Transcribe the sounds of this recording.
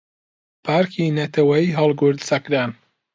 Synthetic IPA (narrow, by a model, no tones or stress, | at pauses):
pʰaːɾkʰinɐt̪ʰɐwɐjiɦɑlˠɡʊɾd̪sɐkɾaːn